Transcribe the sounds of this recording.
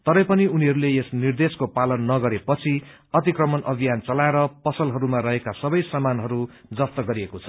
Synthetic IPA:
t̪ʌɾʌjpʌniuniɦʌɾuleesnird̪eskopalʌnːʌɡʌɾepʌt͡sʰi | ʌt̪ikrʌmʌnʔʌbʱijant͡sʌlaeɾʌpʌsʌlɦʌɾumaɾʌɦekasʌbʌjsamanɦʌɾu | d͡zʌst̪ʌɡʌɾiekot͡sʰʌ̥

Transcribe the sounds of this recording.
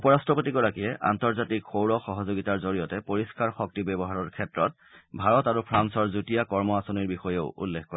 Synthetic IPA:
upɔɹastɹɔpotiɡɔɹakijɛʔa̰ntɔɹzatikxowɹɔxɔɦɔzoɡitaɹzoɹijɔtɛpoɹiskaɹxɔk̚tibɔbɔɦaɹɔɹkʰɛtɹɔt̚ | bʱaɹɔtaɹupʰɹansɔɹzutijakɔɹmɔasɔniɹbixɔjeʊṵlːekkːɔɹ

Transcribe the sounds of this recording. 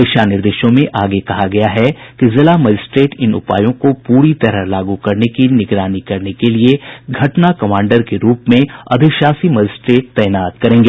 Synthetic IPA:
ɪʃanɪɾd̪ɪːʃõmẽʔaːɡekɐɦaɡɐjaɦɛkizɪlamɐd͡ʒɪsʈɾeːʈɪnʊ̰pa̰ːjõkopuːɾit̪ɐɾəɦlaːɡukɐɾnekinɪɡɾaːnikɐɾnekelieɡʱɐʈnakɐmãːɳɖəɾkeɾuːpmẽɐ̰d̪ʱɪkʃaːsimɐd͡ʒɪsʈɾeːʈ̚t̪ɛːnaːt̪kɐɾẽːŋɡeː

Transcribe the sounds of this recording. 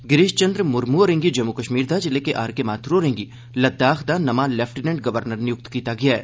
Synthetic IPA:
ɡɪɾɪʃt͡ʃɐnd̪ɾmʊɾmuɾẽŋɡid͡ʒɐmukɐʃmiːɾd̪ʱad͡ʒɪlekeʔaːɾkemaːt̪ʰɾoɾẽːŋɡi | lɐd̪ːaːxd̪anɐmalɛːfʰʈinɛ̃ɳɖ̚ɡɐʋəɾnəɾnɪjʊk̚t̪kiːt̪aɡɐjaɦɛː

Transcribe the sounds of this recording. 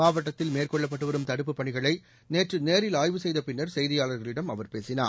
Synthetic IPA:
maːʋɐʈːɐt̪ːɪlmeːrkɔɭːɐp̬ːɐʈːɯʋɐɾɯmt̪ɐɽɯpːɯpːɐɳɪɣɐɭɐɪ | neːʈrɯneːɾɪlaːjʋɯsɛjðɐpɪnːɐɾsɛjðɪjaːɭɐɾɣɐɭɪɽɐmɐʋɐɾpeːsɪna̰ː

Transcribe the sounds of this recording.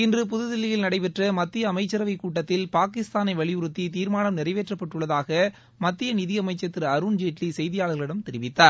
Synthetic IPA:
ɪndrɯp̬ʊðɯðɪlːɪjɪlnɐɽɐɪpɛʈrɐmɐt̪ːɪjɐːmɐɪt͡ʃːɐɾɐʋɐɪkuːʈːɐt̪ːɪlpaːkɪst̪aːnɐɪʋɐɭɪjʊɾɯt̪ːit̪iːɾmaːnɐmnɪrɐɪʋeːʈrɐpːɐʈːɯɭːɐðaːɣɐ | mɐt̪ːɪjɐnɪðɪɐmɐɪt͡ʃːɐt̪ːɪɾɐɾuːnd͡ʒeːʈlisɛjðɪjaːɭɣɐɭɪɽɐmt̪ɛɾɪʋɪt̪ːaːɾ

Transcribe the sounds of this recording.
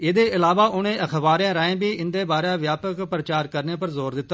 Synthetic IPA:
ɪd̪eːʔɪlaːʋaːʔʊnẽːʔəkʰʋaːɾjãːɾaẽːbiːʔɪnd̪eːbaːɾeaːʋjaːpəkpɾət͡ʃaːɾkəɾneːpəɾzoːɾd̪ɪt̪ːa

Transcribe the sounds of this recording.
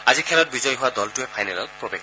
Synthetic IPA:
azikʰɛlɔt̚bizɔjɦʊadɔltʊɛpʰajnɛlɔ̰t̚pɹobeɡ

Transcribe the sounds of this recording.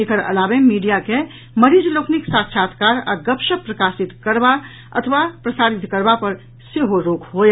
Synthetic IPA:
ekəɾɐ̰laːʋemiːɖijake | mɐɾiːd͡ʒloːknɪksaːtʃʰaːt̪ʰkaːɾa̰ɡɐpʃəpɾɐkaːsɪt̪kəɾba | ɐ̰t̪ʰəʋapɾɐsaːɾɪt̪kəɾbapɐɾ | seɦoɾoːkʰɦoːe

